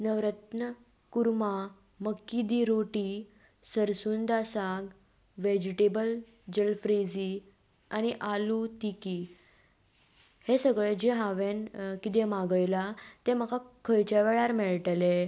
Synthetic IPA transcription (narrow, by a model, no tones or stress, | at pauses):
nəʋɾət̪nə | kuɾma | məkːid̪iɾoʈi | səɾsuːnd̪asaɡ | ʋed͡ʑiʈebəl | d͡ʑəlfɾed͡zi | añiʔalut̪iki | hesəɡɭed͡ʑeɦaʋenkit̪̬emaɡəjlat̪ẽm̤əkakʰəjt͡ɕaʋeɭaɾmeɭʈle